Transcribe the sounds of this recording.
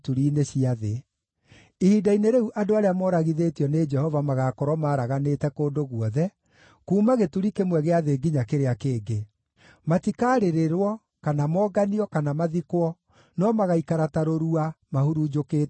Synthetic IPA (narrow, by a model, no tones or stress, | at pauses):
tuɾiːneɕiaðe | ihidaineɾeuʔadoaɾeamɔːɾaɣiðetiɔned͡ʒɛhɔvamaɣaːkɔɾwɔmaːɾaɣaneːtɛkoːndoɣwɔðɛ | kuːmaɣetuɾikemwɛɣeaðeɡiɲakeɾeakeːɡe | matikaːɾeɾeɾwɔ | kanamɔːɡaniɔkanamaðikwɔ | nɔmaɣaikaɾataɾoɾuamahuɾud͡ʒokeː